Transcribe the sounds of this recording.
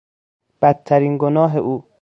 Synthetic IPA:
b̥æd̪̚ʰt̪ʰːæɾiːnɡonɒːɦeʔuː

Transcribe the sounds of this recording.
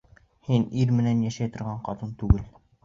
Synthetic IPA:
hiniɾmɘ̆nænjæʃæjt̪ŏɾʁɑɴqɑt̪ɤnt̪ʉɡɘl

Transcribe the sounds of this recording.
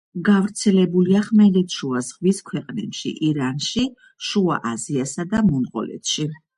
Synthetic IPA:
ɡavɾt̪sʰɛlɛbuliaχmɛlɛt̪ʃuazʁwiskʰwɛqʼnɛpʃḭʔiɾanʃi | ʃua̰ʔaziasad̪amunqʼɔ̰lɛ̰t̪ʃi

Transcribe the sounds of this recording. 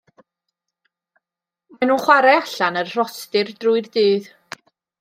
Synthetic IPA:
manunχwaɾɛaɬanərr̥ɔstɪrdrʊɨrdɨːð

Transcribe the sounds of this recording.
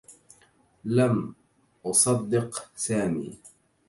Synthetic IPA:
lam | ʔɑsˤɑd̪ːɪqsaːmḭː

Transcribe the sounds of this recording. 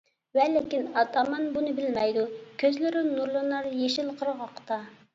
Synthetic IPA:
vɛlɪkʲinɑt̪ɑmɑnbunɨbɪlmɛjd̪ukʲʰøzlɪɾɪnuɾlˠɨnɑɾjeʃɪlˠqʰəɾʁɑqʰːt̪ɑ

